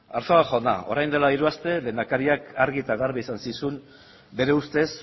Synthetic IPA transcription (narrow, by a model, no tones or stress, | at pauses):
aɾtoaʝona̰o̞̰ɾajnd̪e̞laiɾuast̪e̞le̞ːnd̪akaɾiakaɾɣit̪aɣaɾβiisansisum | be̞ɾe̞ust̪e̞s